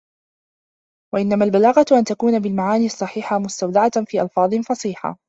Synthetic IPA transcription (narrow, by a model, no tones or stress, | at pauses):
waʔɪnːamalbalaːɣɑt̪ʔant̪akuːnabɪlmaʕaːniːʔɑsˤːɑħiːħamʊst̪awd̪aʕat̪fiːʔɑlfɑːðˤɨnfɑsˤiːħa̰